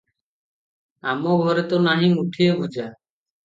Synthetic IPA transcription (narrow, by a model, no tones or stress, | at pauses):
amɔɡʱɔɾɛt̪onaɦĩmuʈʰiebʱud͡ʒʱaː